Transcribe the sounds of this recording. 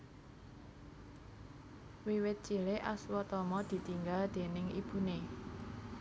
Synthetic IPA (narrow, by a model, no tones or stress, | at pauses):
wiwɪt̪̚t͡ʃileʔa̰swɔt̪ɔmɔd̪̥i̤t̪iŋɡald̪̥e̤nɪŋib̥ṳne